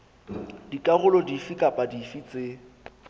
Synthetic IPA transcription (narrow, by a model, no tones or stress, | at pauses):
dikʼaɣʊlɔdifikʼapʼadifit͡sʼe